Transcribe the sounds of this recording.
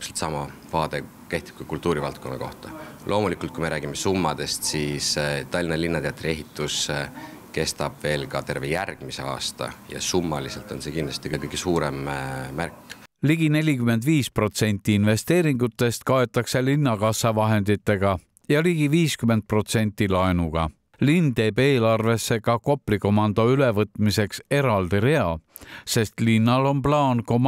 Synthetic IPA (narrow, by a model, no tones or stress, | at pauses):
pselt̪sɑmɑvɑːd̪̥e̞ | ke̞ht̪ib̥̚kɑkult̪ːˑuːɾivɑlt̪̚ko̞nːɑ̰koht̪ɑlʔo̞ːmulikːˑult̪̚kuimeɾæːɡimesumːɑd̪̥e̞st̪sist̪ɑlʲːinɑlinːɑt̪eɑt̪ːɾie̞ɦit̪ːˑus | ke̞st̪ɑb̥ve̞ːlkɑt̪e̞rvejærɡ̥mise̞̰ɑ̰ːst̪ɑ̰jɑ̰sumːɑliselt̪ˑo̞̰nsekind̪lɑst̪ikɤkɤjɡ̥esuːɾemmærkː | liɡ̥ine̞lʲikyme̞nd̪viːspro̞t̪se̞nʲt̪ːˑiinve̞st̪e̞ːɾiŋɡut̪ːˑe̞st̪kɑe̞t̪ːˑɑkse̞linːɑkɑsːɑvɑɦe̞nd̪̥it̪ˑːe̞ɡ̥ɑ | jɑliɡ̥iviːskyme̞nd̪̚pro̞t̪se̞nʲt̪ːˑilɑenuɡ̥ɑ̰ | lint̪e̞ːbe̞ːlɑrve̞sːe̞kɑko̞pˑliko̞mɑnd̪̥o̞yle̞vɤt̪ːˑmise̞kse̞ɾɑld̪iɾe̞ɑ | se̞st̪linːɑlo̞nplɑːnko̞m